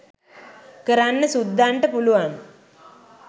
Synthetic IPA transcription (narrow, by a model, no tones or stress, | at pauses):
kəɾanːəsud̪ʱːaɳʈəpuluʋan